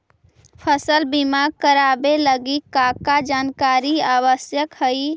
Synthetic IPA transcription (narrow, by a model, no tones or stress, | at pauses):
pʰəsəlbimaɡ̚kəɾabeləɡikakad͡ʒankaɾiaβəsjəkhəj